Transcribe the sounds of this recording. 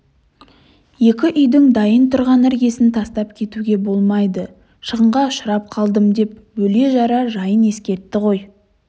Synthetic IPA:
je̞kʲɪʔʏjd̪ɪŋd̪ɑjənt̪ʰʊɾʁɑnæɾɡʲe̞sɪnt̪ʰɑst̪ɑpkʲʰe̞t̪uɡʲe̞bo̞lˠmɑjd̪ə | ʃəʁəɴʁɑʊʃəɾɑp̚qʰɑlˠd̪əmd̪e̞p̚bɵle̞ʒɑɾɑʒɑjəne̞skʲe̞ɾt̪ːɪʁo̞j

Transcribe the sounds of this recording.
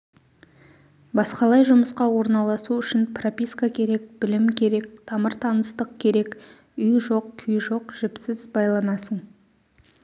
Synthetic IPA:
bɑsqɑlˠɑjʒʊməsqɑwo̞ɾnɑlˠɑsuʏʃɪnpropʲijskakʲʰe̞ɾe̞k̚bɪlɪmkʲʰe̞ɾe̞k̚t̪ʰɑməɾt̪ʰɑnəst̪əq̚kʲʰe̞ɾe̞k | ʏjʒo̞q̚kʲʰʏjʒo̞qʒ̥ɪpsɪzbɑjlˠɑnɑsəɴ

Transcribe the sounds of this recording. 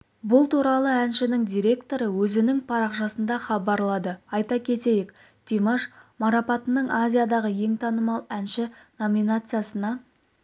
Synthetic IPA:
bʊlˠt̪ʰuɾɑlˠəænʃɪnɪŋd̪ʲijɾʲe̞kt̪o̞ɾəwɵzɪnɪŋpʰɑɾɑqʒɑsənd̪ɑχɑbɑɾlˠɑd̪əɑjt̪ɑkʲʰe̞t̪e̞jek | t̪ʲʰimaʃmɑɾɑpɑt̪ənəɴʔazʲijad̪ɑʁəje̞ŋt̪ʰɑnəmɑlˠænʃɪno̞mʲijnat̪sɨjasənɑ

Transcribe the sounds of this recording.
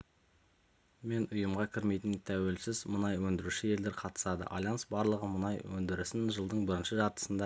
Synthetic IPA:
me̞nʊjəmʁɑkʲʰɪɾme̞jt̪ɪnt̪ʰæwe̞lsɪzmənɑjwɵnd̪ɪɾuʃɪje̞ld̪e̞ɾqʰɑt̪ə̥sɑd̪ə̰ʔɑ̰lˠjɑnsbɑɾlˠəʁəmənɑjwɵnd̪ɪɾɪsɪnʒəlˠd̪əɴbɪɾɪnʃɪʒɑɾt̪ə̥sənd̪ɑ

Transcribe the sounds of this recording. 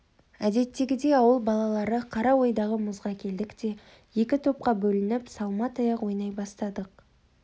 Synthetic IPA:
æd̪e̞t̪ːe̞ɡʲɪd̪e̞ɑwəlˠbɑlˠɑlˠɑɾəqʰɑɾɑwo̞jd̪ɑʁəmʊzʁɑkʲʰe̞ld̪ɪkt̪e̞ | je̞kʲɪt̪ʰo̞p̚qɑbɵlɪnɪpsɑlˠmɑt̪ɑjɑqwo̞jnɑjbɑst̪ɑd̪əq

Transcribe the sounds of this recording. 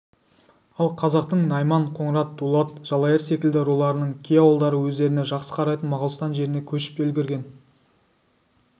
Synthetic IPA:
ɑlˠqʰɑzɑq̚t̪əɴnɑjmɑɴqʰo̞ɴɾɑt̪̚d̪̥ulˠɑt̪̚ʒ̥ɑlˠɑjɪɾse̞kʲɪld̪ɪɾulˠɑɾənəɴkʲʰijɑwəlˠd̪ɑɾəwɵzd̪e̞ɾɪneʒɑqsə̥qʰɑɾɑjt̪ənmɑʁəlˠəst̪ɑnʒe̞ɾɪne̞kʲʰɵʃɪ̥p̚elɡʲɪɾɡʲe̞n

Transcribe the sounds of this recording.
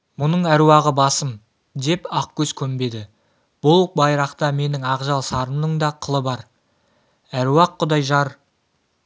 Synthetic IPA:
mʊnəɴæɾuwɑʁəbɑsəm | d̪e̞pɑqkʲɵzkʲʰɵmbe̞d̪ɪ | b̥ʊlˠq̚bɑjɾɑqt̪ɑme̞nɪŋɑqʒɑlˠsɑɾənːəɴd̪ɑqʰəlˠəbɑɾ | æɾuwɑqːʊd̪ɑjʒɑɾ

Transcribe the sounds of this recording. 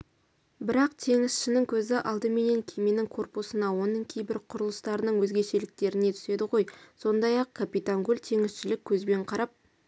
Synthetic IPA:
bɪɾɑqt̪ʰe̞ŋɪsʃɪnɪŋkʲʰɵzɪʔɑlˠd̪əme̞ne̞ŋkʲʰejme̞nɪŋkʰo̞rpusənɑwo̞nəɴkʲʰejbɪɾqʰʊɾəlˠəst̪ɑɾənəɴwɵzɡʲe̞ʃe̞lɪk̚t̪e̞ɾɪne̞t̪ʰʏ̥se̞d̪ɪʁo̞jso̞nd̪ɑjɑqkʰapijt̪aŋɡulʲt̪ʰe̞ŋɪsʃɪlɪkʲʰːɵzbe̞ɴqʰɑɾɑp̚

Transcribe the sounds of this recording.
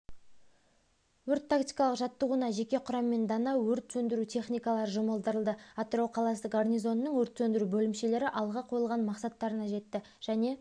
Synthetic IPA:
wɵɾt̪ʰːakt̪ijkɑlˠəqʒɑt̪ːəʁunɑʒe̞kʲe̞qʰʊɾɑmːe̞nd̪ɑnɑwwɵɾt̪sɵnd̪ɪɾut̪ʰe̞χnʲijkɑlˠɑɾəʒʊməlˠd̪əɾəlˠd̪əat̪ɾowqʰɑlˠɑsəqornʲijzo̞nːəɴwɵɾt̪sɵnd̪ɪɾubɵlɪmʃe̞le̞ɾɪʔɑlˠʁɑqʰo̞jəlˠʁɑnmɑqsɑt̪ːɑɾənɑʒe̞t̪ːɪ | ʒ̥æne̞

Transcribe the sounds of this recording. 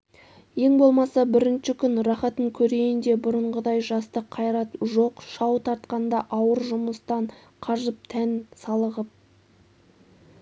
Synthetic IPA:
je̞ŋbo̞lˠmɑsɑbɪɾɪnʃɪkʲʰʏnrɑχɑt̪əŋkʲʰɵɾe̞jɪnd̪e̞bʊɾəɴʁəd̪ɑjʒɑst̪əqʰːɑjɾɑt̪ʒo̞qʃɑwt̪ʰɑɾt̪qɑnd̪ɑʔɑwəɾʒʊməst̪ɑɴqʰɑʒəp̚t̪ʰænsɑlˠəʁəp̚

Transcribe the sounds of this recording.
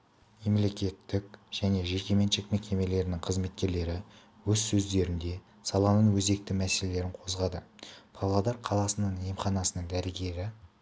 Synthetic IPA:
me̞mle̞kʲe̞t̪ːɪk̚ʒ̥æne̞ʒe̞kʲe̞me̞nʃekme̞kʲʰe̞me̞le̞ɾɪnɪŋqʰəzme̞t̪̚kʲe̞ɾle̞ɾɪ | wɵzsɵzd̪e̞ɾɪnd̪e̞ | sɑlˠɑnəɴwɵze̞k̚t̪ɪmæse̞le̞le̞ɾɪɴqʰo̞zʁɑd̪əpʰɑlˠɑd̪ɑɾqʰɑlˠɑsənəɴemχɑnɑsənəɴd̪æɾɪɡʲe̞ɾɪ

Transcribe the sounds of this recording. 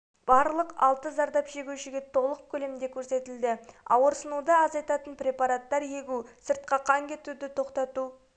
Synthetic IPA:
b̥ɑɾlˠəqɑ̰lˠt̪əzɑɾd̪ɑpʒ̥e̞ɡʲewʃɪɡʲe̞t̪ʰo̞lˠəq̚kʲʰɵle̞md̪e̞kʲʰɵɾse̞t̪ɪld̪ɪɑwəɾsənud̪əɑzɑjt̪ɑt̪ənprʲe̞pɑɾat̪ːɑɾje̞ɡʲusəɾt̪̚qɑqʰɑŋkʲʰe̞t̪ud̪ɪt̪ʰo̞qt̪ɑt̪u

